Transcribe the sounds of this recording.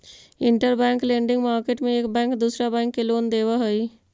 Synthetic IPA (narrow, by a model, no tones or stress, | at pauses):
ɪ̃ɳʈəɾbɛ̃ːŋklẽːɳɖɪ̃ŋɡmaːɾkeːʈmẽeːkbɛ̃ːŋkd̪uːsɾabɛ̃ːŋkːeloːnd̪eːʋaɦoi